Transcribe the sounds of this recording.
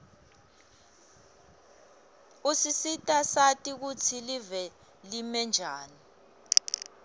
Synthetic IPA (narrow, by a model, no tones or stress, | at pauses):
usisitʼasatʼik̬ut͡sʰilivɛ | limɛnd͡ʒʱaːni